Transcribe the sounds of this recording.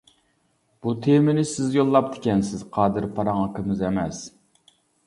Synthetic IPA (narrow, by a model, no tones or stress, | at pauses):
b̥ut̪ʰemɪnɪsɪzjolˠːɑp̚d̪ɪ̥kʲɛnsɪz̥qʰɑːd̪ɨɾpʰɑɾɑŋɑkʰəmɨzɛmɛs